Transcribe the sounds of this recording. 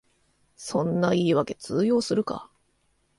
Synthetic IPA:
sõ̞nːaiːβake̞t͡sɨːjo̞ːsɨɾɯ̟ka̰

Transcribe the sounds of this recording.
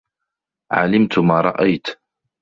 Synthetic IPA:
ʕa̰lɪmt̪maːɾˤɑʔajt̪

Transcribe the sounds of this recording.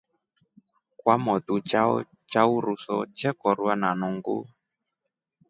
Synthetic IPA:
kwamɔtut͡ʃa̰ | t͡ʃauɾusɔ̰t͡ʃɛkɔɾwananuŋɡo̰

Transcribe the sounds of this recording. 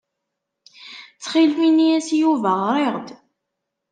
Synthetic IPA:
t͡sːχilfinijæsjuvəʁɾˤeʁd̪

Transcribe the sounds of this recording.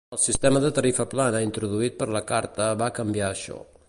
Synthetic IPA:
əlˠsist̪eməðət̪əɾifəplanəint̪ɾuðuit̪̚pəɾləkaɾt̪əβakəmbiaəʃɔ̰

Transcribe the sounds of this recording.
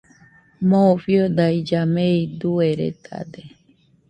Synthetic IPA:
mofiod̪aid͡ʒameid̪ueɾḛt̪ʰa̰d̪e

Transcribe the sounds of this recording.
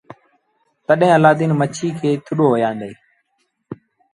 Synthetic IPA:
t̪əɗɦẽːəlaːd̪iːnmət͡ʃʰiːkʰeːt̪ʰʊɗoːɦoːjãːnd̪eiː

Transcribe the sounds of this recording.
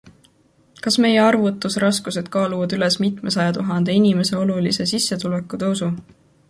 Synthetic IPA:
kɑsme̞je̞ɑrvut̪ːˑusɾɑskuse̞d̪̥̚kɑːluvɑd̪yle̞smit̪ˑme̞sɑjɑt̪uɦɑnd̪̥e̞inime̞se̞o̞lulise̞sisːet̪ule̞kud̪̥e̞usu

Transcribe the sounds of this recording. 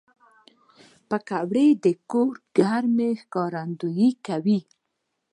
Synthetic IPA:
pəkawɽed̪əkoɾɡ̥aɾmexkɑɾand̪ujikawi

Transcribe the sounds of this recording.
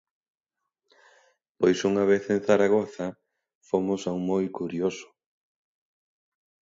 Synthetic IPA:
pojsuŋaβ̞eθenθaɾaɣoθɐ | fomʊsawŋmojkuɾjosʊ̥

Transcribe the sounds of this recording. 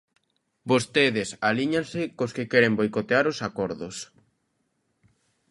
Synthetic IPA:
bost̪eðɪsaliɲansɪkoskɪkɛɾembojkot̪eaɾosakɔɾðʊs

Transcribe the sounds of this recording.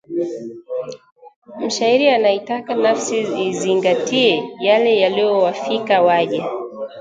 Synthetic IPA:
m̩ʃaiɾianaitakanafsiiziŋɡatiɛjalɛjaliɔwafikawaʄa

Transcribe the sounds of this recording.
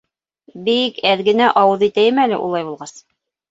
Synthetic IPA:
bikæðɡɘ̆næʔɑwɤðit̪æjɘmælɘ̰ʔṵlˠɑjβulˠʁɑs

